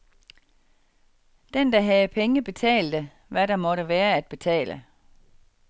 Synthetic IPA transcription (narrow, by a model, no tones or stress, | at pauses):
d̥end̥ɑɦæð̩ˠpʰeŋəb̥e̝t͡sʰɛ̰ːld̥ə | ʋæɾɑ̈mɒ̽ɾəʋæːɐæd̥̚b̥e̝t͡sʰɛ̰ːlʔə